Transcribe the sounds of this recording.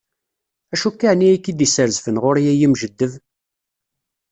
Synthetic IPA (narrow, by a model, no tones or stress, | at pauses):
æʃukːaʕniækːid̪isəɾzfənʁʊɾijæjimʒəd̪ːəv